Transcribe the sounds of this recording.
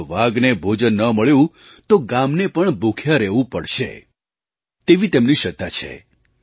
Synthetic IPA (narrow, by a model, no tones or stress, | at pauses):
ʋaɡnebʱod͡ʒənːəməɭjũ | t̪oɡamnepəɳbʱukʰjaɾɛʋũpəɽʃḛ | t̪eʋit̪emniʃət̪ːat͡ʃʰḛ